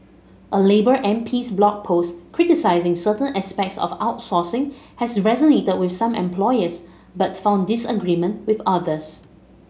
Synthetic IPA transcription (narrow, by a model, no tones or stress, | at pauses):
ʔəlebəɹʔɛ̃mpʰiːsblɔk̚pʰoskʰɹitisaɪzɪ̃ŋsətə̃nɛspɛk̚tsɔ̰faʊtsɔsɪ̃ŋhɛsɹɛzənetəd̚wɪfsãmɛ̰̃mpʰlɔɪəs | batfãʊ̃ndɪsəɡɹimə̃nwɪθaðəs